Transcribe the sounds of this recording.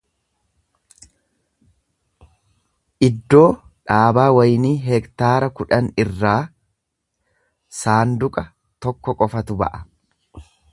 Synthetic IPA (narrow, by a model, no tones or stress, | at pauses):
ʔɪd̪ːo̞ːᶑaːbaːwɐjniːɦɛkt̪aːɾɐkʊᶑɐnɪrːaː | saːnd̪ʊkʼɐ | t̪ɔkːɔkʼɔfɐt̪ʊbɐ̰ʔɐ̥